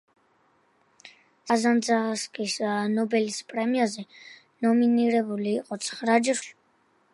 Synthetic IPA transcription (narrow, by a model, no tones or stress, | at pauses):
azand̪zaʁaskʼisnɔbɛlispʼɾɛmiazɛ | nɔminiɾɛbuliːqʼɔt̪sʰχɾad͡ʒɾl